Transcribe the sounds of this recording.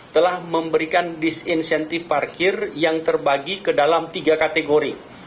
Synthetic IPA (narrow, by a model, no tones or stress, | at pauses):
t̪əlahməmbəɾikandisinsɛnt̪ɪfpːarkɪrjaŋt̪ərbaɡikədalamt̪iɡakat̪eɡoɾi